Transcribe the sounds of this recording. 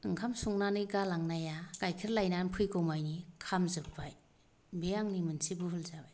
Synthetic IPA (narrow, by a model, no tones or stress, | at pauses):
ɯŋkʰamsuŋnanɯɡalaŋnajakajkʰiɾlajnanpʰɯjɡɔmajnikʰamzɯpbaj | bejaŋnimɯnsibɯɦɯlzabaj